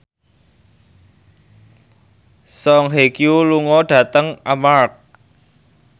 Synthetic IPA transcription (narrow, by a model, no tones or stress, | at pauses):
sɔŋɦekijuluŋɔɖ̥ä̤t̪əŋamark̚